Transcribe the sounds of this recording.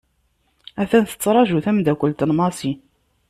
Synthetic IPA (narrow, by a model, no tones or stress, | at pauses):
æθænθə̥t͡sːɾˤɑʒuθæmd̪ækʷːəlt̪ənmɑsi